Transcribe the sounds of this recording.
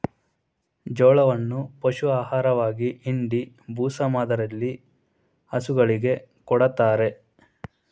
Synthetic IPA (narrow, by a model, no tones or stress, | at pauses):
d͡ʒɔːɭɐʋɐnːupɐʃuaːɦaːɾɐʋaːɡiʔiɳɖi | bʱuːsɐmaːd̪ɐɾɐlːi | ɐsuɡɐɭiɡe̞kɔɽɐt̪aːɾe̞